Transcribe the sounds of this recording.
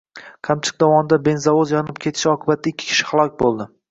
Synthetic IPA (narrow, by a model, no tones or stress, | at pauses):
kʰamt͡ʃʰɪ̥k̚d̪awɒmɪd̪abe̞nzavozjɒnɪp̚kʲʰe̞t̪ʰɪ̥ʃɒqʰɨbat̪ʰːaɪkʲʰːɪ̥kʲʰɪ̥ʃɪ̥χalˠɒkʲbolˠd̪ɪ